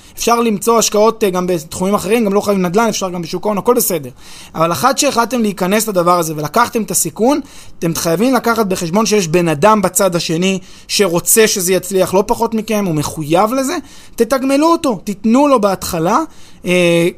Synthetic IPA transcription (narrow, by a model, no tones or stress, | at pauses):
efʃaʁlimt͡so̞aʃkao̞t̪ɡambet̪χumimaχeʁimɡamlo̞χajavimnad̪lane̞fʃaʁɡambeʃukaonako̞lbese̞de̞ʁ | avaleχad̪ʃe̞ːχlalt̪e̞mleikane̞slad̪avaʁaze̞ve̞lakaχt̪e̞met̪asikun | t̪e̞mχajavimlakaχat̪̚be̞χeʃbo̞nʃejeʃbe̞nad̪ambat͡sad̪aʃe̞ni | ʃe̞ʁo̞t͡se̞ʃe̞zejat͡sliaχlo̞paχo̞t̪mike̞mume̞χujavle̞ze̞ | t̪e̞t̪aɡme̞luot̪o̞t̪it̪nulo̞beat̪χala | e